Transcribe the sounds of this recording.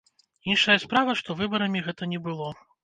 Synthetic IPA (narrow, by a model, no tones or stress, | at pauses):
inʂɐjɐspɾavɐʂt̪ɔvɨbɐɾɐmʲiɣɛt̪ɐnʲɛbɨlˠɔ